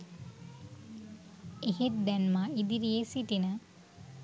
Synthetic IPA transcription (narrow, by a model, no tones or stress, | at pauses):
eɦet̪̚d̪ɛnmaid̪iɾijesiʈinə